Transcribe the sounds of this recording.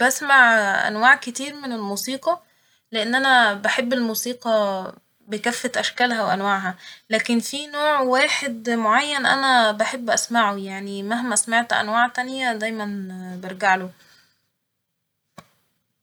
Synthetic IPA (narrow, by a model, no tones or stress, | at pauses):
bæsmaʕʔæ̰nwaːʕket̪iːɾmenelmuːsiːqɑ | leʔenːʔænæbæħebːelmuːsiːqɑ | bekæfːæt̪ʔæʃkælɦæwʔænwaʕɦælæːkenfinoːʕwæːħed̪moʕajːænʔænæbaħebːʔæsmaʕojaʕnimæɦmæsmaʕt̪ʔæ̰nwaːʕt̪ænjæd̪æjmænbeɾɡaʕlo